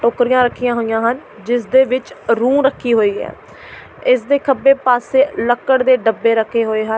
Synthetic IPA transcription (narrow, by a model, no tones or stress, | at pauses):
ʈoːkɾijãːɾəkʰːijãːɦoːijãːɦən | d͡ʒɪs̬d̪eːʋɪt͡ʃɾũːɾəkʰːiːɦoːiːɛ̰ː | ɪs̬d̪eːkʰəbːeːpaːseːləkːəɽd̪eːɖəbːeːɾəkʰːeːɦoːeːɦə